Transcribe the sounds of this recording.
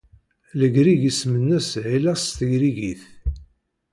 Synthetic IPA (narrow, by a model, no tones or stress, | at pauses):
ləɡɾiʝismənːæsʕilæst̪əjɾiʝiθ